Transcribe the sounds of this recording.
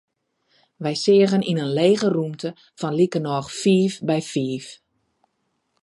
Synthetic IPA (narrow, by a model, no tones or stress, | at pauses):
ʋɛjsɪəɣəninənleːɣərumtʰə | fɔnlikənɔːxfiːfbɛjfiːf